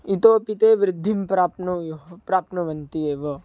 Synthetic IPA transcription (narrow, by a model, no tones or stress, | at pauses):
it̪oːpɪt̪eːʋɾɪd̪ʱːimpɾaːpnupɾaːpnəʋɐnt̪ieːʋɐ